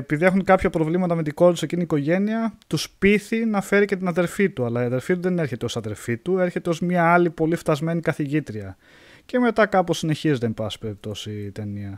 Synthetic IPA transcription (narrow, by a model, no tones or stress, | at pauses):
epiðiexunkɐpçɐpɾo̞vlimɐt̪ɐmet̪̬iɡo̞ɾt̪usie̞ciniːko̞ʝe̞niɐt̪uspiθinɐfe̞ɾice̞t̪̬inɐðe̞ɾfit̪uɐlɐiɐðeɾfit̪uðe̞ne̞ɾçe̞t̪eo̞sɐðe̞lfit̪ue̞ɾçe̞t̪eo̞zmɲɐɐlipo̞lift̪ɐzme̞nikɐθiʝit̪ɾiɐ | ce̞me̞t̪ɐkɐposine̞çizit̪empɐsi̥pe̞ɾip̚t̪o̞sit̪e̞niɐ